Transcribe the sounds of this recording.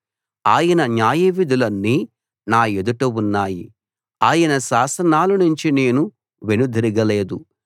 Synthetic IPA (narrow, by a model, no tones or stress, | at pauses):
aːjɐnɐɲaːjɐʋid̪ʱulɐnːiː | naːjed̪uʈɐwunːaːjḭ | aːjɐnɐʃaːsɐnaːlunuɲt͡ʃine̞ːnu | ʋenud̪ʱiɾiɡɐle̞ːd̪u